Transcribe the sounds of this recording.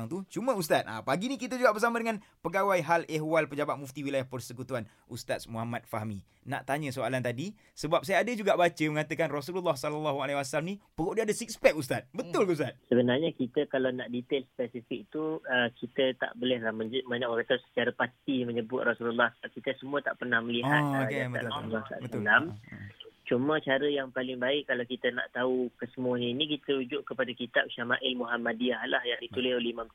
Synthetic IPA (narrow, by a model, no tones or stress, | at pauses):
ŋt̪ut͡ʃumə̃ust̪at̪̚ʔa̰paɡinĩkit̪əd͡ʒuɡaʔbərsamə̃dəŋãn | pəɡawajɦaleɦwalpəd͡ʒabat̪̚muft̪iwilajahpərsəkut̪uan | ʔust̪at̪̚smuɦamat̪̚faɦmi | na̰ʔt̪aɲə̃soalant̪adi | səbap̚sajaːdəd͡ʒuɡaʔbat͡ʃəməŋat̪əkanrɔsululːahsalalːaɦualewasalmnĩpəɣoʔdəadəsik̚spɛk̚ust̪at̪̚bət̪ʊlkəus̬t̪at̪̚səbənarɲakit̪əkalawnaʔdit̪elspɛsifik̚t̪ukit̪ət̪a̰ʔbolɛhlahməɲd͡ʒumaɲãʔwakat̪ausə̥t͡ʃaɾapat̪iməɲəbʊt̪̚rasululːahsəbap̚kit̪əsəmuət̪aʔpərnahməliɦat̪kabəa̰ʔrasululːaha̰bəʊam | t͡ʃumə̃t͡ʃaɾəjaŋpalɪŋbaɪʔkːalawkit̪əna̰ʔt̪aukəsəmuaɲəinikit̪əɾud͡ʒʊʔkəpadakit̪ap̚ʃamaʔɪlmuɦamadiahlahjaŋdit̪ulɪholimã